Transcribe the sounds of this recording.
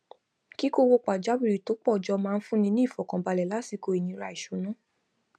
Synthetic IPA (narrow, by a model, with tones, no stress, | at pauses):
ki˦ko˦wo˧k͡pa˨d͡ʒa˦bi˦˨ɾi˨to˨˦k͡pɔ˦˨d͡ʒɔ˧mãː˧n̩˦fũ˦nĩ˧nĩ˦i˦˨fɔ˨kã˨ba˧lɛ˨la˨˦si˧ko˧˨i˨nĩ˧˦ɾa˧˨i˨ʃo˨˦nã˦